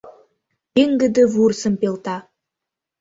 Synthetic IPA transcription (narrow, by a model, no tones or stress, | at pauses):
peŋɡɘ̆d̪ɘ̆vuɾsə̆mpelˠt̪ɑ